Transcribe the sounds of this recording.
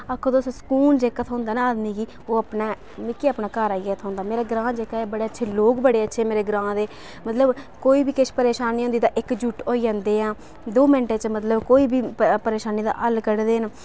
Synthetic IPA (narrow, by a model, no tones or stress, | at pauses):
akʰːõːd̪oːsõːsə̥kuːnd͡ʒeːkat̪ʰɦõːnd̪aːnaaːd̪miːɡiː | oːəpnaː | mɪkiːəpnaːkaːɾaːiɡeːt̪ʰɦõːnd̪aːmeːɾaːɡɾãːd͡ʒeːkaːeːbəɽeːətːʃʰeːloːkbəɽeːətːʃʰeːmeːɾeːɡɾãːd̪eː | mət̪ləbkoːiːbiːkɪʃpəɾeːʃaːniːɦõnd̪iːd̪aːʔɪkd͡ʒuʈoːiːãːnd̪eːãː | d̪oːmɪɳʈeːt͡ʃmət̪ləbkoːiːbiːpəɾeːʃaːniːd̪a̰ːʔəlkəɽd̪eːn